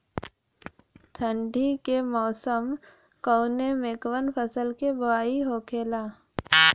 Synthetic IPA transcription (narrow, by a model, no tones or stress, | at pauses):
t̪ʰə̃ɳɖʱikemɔːsəm | kə̃ʊnemeːkwənpʰəsəlkebʊaːiɦokʰeːlaː